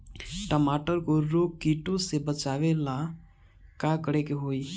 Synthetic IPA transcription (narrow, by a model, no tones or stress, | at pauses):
ʈəmaʈəɾkoɾoɡ̚kiʈõsebət͡ʃaʋela | kakəɾekeɦoi